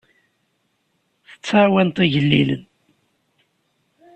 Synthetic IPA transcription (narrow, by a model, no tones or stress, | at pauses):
θə̥t͡sːawænt̪iʝəlːḭlə̰n